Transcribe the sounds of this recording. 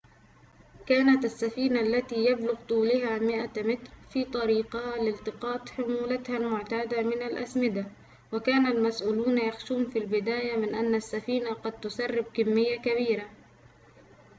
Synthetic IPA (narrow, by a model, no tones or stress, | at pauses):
kaːnat̪asːafiːnaʔalːat̪ijablʊɣt̪ˤuːlɪɦamɪʔamɪt̪ɾfiːt̪ˤɑɾiːqɑlɪlt̪ɪqɑːt̪ˤħʊmuːlat̪halmʊʕt̪aːd̪amɪnalʔa̰smɪd̪a | wakaːnalmasʔuːluːnjaxʃuːnfilbɪd̪aːjamɪnʔanːasːafiːnaqɑd̪̚t̪ʊsarˤːɪb̚kɪmːɪjːakaβiːɾa